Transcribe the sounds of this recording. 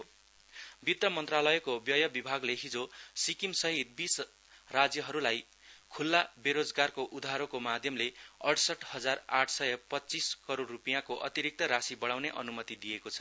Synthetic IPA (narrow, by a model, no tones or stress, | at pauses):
bit̪ːʌmʌnt̪ralʌjekobjʌjʌbibʱaɡleɦid͡zosikimsʌɦit̪̚bis | rad͡zjʌɦʌɾulaj | kʰulːabeɾod͡zɡarkoʔud̪ʱaɾokomad̪ʱjʌmleʌɽsʌʈʰhʌd͡zaraʈʰsʌjʌpʌtːt͡siskʌɾoɽːupijãkoʔʌ̰t̪iɾik̚t̪ʌɾasibʌɽawneʔʌ̰numʌt̪id̪ijekot͡sʰʌ̥